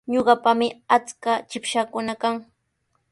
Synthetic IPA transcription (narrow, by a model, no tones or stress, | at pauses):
ɲoɢɑpamɪat͡skat͡ʃɪpʃakʊnakaŋ